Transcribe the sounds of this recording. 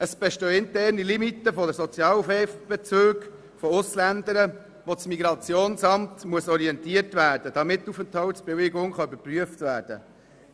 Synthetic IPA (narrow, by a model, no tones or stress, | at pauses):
əsb̥ɛʃtœːɪntɛrnilimit̪ːəfɔdəɾsɔt͡sjɑːlfɛfb̥ɛt͡søːɡ | fɔʊslænd̪əɾə | ʋot͡smiɡɾɑt͡sjoːnsɑmtmuəsɔɾiɛntiətʋæːɾd̥əd̥ɑmɪtːufəntɔʊsb̥ɛveɡʊŋχɑybəɾpryəftʋæːɾd̥ə̰